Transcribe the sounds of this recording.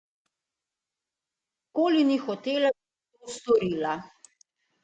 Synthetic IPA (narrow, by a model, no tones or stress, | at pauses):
koːlinixɔt̪eːlai | t̪ost̪ɔɾiːla